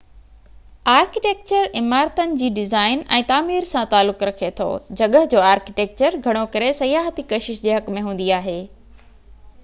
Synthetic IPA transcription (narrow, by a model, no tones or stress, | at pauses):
aːɾkɪʈeːk̚t͡ɕəɾɪmaːɾt̪ənɪ̆d͡ʑiːɖɪzaːɪnɛ̰̃ːt̪aːmiːɾsãt̪aːlːʊkɾɐkʰet̪ʰo̰ːd͡ʑɐɠəɦd͡ʑoːaːɾkɪʈeːk̚t͡ɕəɾɡʱɐɽ̃okɐɾesɐjaːɦət̪ikɐʃɪʃd͡ʑeːɦɐkmẽɦũːn̆d̪iaːɦeː